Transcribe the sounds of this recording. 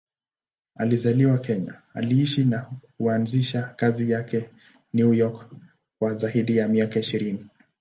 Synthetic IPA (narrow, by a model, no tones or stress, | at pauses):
a̰lizaliwakɛɲa̰a̰liiʃinakuanziʃakazijakɛ | njujɔk | kwazaiɗijamiakaiʃiɾini